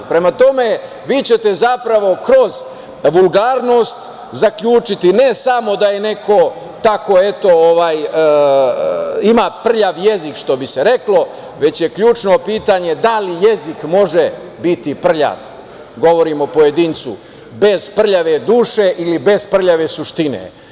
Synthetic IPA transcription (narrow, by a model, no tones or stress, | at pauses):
pɾe̞mat̪o̞me̞ | ʋiːt͡ɕe̞t̪e̞zapɾaʋo̞kɾo̞z | ʋulˠɡaːɾno̞ːst̪ | zakʎuːt͡ʃit̪ine̞samo̞d̪aje̞ne̞kʰo̞ | t̪ako̞e̞t̪o̞oʋaːj | imaːpr̩ʎaʋje̞zikʃt̪o̞biseɾe̞klo̞ | ʋe̞t͡ɕje̞kʎuːt͡ʃno̞piːt̪aɲe̞d̪alije̞zikmo̞ʒe | bit̪ipr̩ʎa̰ʋ | ɡo̞ʋo̞ɾimopo̞je̞d̪iːnt̪sṵ | be̞z̥pr̩ʎaʋe̞d̪uːʃe̞ʔilibe̞zpr̩ʎaʋe̞suʃt̪inḛ